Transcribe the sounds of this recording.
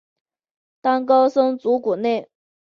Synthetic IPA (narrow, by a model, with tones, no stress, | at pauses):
t̪ɑ˥ŋkɑ˥ʊsɤ˥ŋt͡su˧˥ku˨˩ne˥˩ɪ